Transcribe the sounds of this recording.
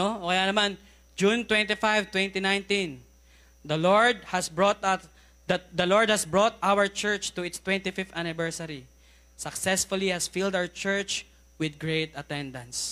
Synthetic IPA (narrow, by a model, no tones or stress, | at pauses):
ookɐjanɐman | d͡ʒunt̪wɛ̃nt̪ifajvt̪wɛ̃nt̪inajnt̪ĩn | d̪ɐloɹd̪̚hɐsbɹot̪a | d̪ɐlɔɹd̪̚hɐsbɹot̪awəɹt͡ʃɛɹt͡ʃt̪ʊɪt̪st̪wɛ̃nt̪ɪfɪft̪anɪvɛɹsɐɾi | sɐksɛsfʊlihɐsfild̪awəɹt͡ʃɛɹt͡ʃ | wɪd̪̚ɡɹejt̪ɐt̪ɛ̃nd̪ɐ̃ns